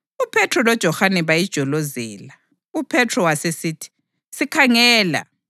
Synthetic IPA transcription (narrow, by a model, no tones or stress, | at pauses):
upʰɛtrɔlɔd̥ʒ̥ʱɔhanɛβajid̥ʒ̥ʱɔlozɛːla | upʰɛtʰrɔwasesitʰi̥ | sikʰaŋɛːla̰